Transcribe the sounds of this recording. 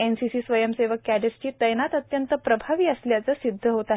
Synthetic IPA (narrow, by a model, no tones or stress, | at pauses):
ensisiːsʋəjəmseʋəkːæɖesʈiːt̪əjnat̪ət̪jənt̪əpɾəbʱaʋiːəsljat͡səːsid̪ʱːəɦot̪a